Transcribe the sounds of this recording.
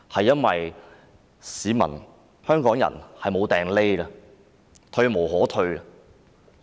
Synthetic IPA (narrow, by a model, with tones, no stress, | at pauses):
hɐ˨jːɐ˥nwɐ˨j | siː˨˧mɐ̰˨˩n | hœː˥ŋkɔː˨˥ŋjɐ̰˨˩nhɐ˨jmo˨˧wt̪ɛː˨ŋle˥jɐ˧ | t̪ʰɵ˧ɥmo˨˩wɦɔː˨˥t̪ʰɵ˧ɥ